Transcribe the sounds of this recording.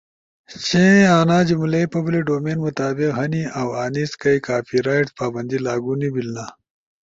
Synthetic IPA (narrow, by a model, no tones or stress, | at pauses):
t͡ɕẽaːnaːd͡ʑimlɐjpɐbliɖoːmeːnmʊt̪aːbɪqɦɐniawaːniskɐjkaːfiɾaːjʈspaːbɐnd̪ilaːɡunibilna